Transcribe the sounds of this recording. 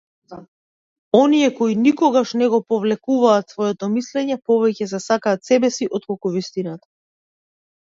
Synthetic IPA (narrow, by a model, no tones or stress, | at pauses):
ɔniɛkɔinikɔɡaʃnɛɡɔpɔvlɛkuvaːt̪svɔjɛt̪ɔmislɛɲɛpɔvɛcɛzɛsakaːt̪sɛbɛsiʔɔt̪̚kɔlˠkuvist̪inat̪ḁ